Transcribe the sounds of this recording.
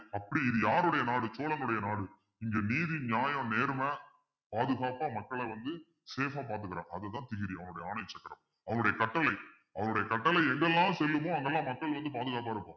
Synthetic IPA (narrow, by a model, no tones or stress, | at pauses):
ɐpːɐɽiɪðɯjaːɾɯɽɐjɐnaːɽɯt͡ʃoːlɐŋɡɐɭʊɽɐjɐnaːɽɯ | ɪŋɡeːniːðiɲaːjɐ̃neːɾɯmɐ | paːðɯɣaːpaːmɐkːɐɭɛʋɐnd̪ɯ | seːfaːpaːɾt̪ɯkːɯɾã̰ːŋɐɐðɛt̪ːãːt̪ɪɣɪɾiɐʋɐŋʊɽɐjɐaːnɐjɐt͡ʃːɐkːɐɾɐm | ɐʋɐnʊɽɐjɐkɐʈːɐlɐɪ | ɐʋɐnʊɽɐjɐkɐʈːɐlɐɪɛŋɡɛlːãːsɛlːɯmõːɐŋɡɛlːãːmɐkːɐɭʋɐnd̪ɯpaːðɯɣaːp̬aːɪɾɯpːõː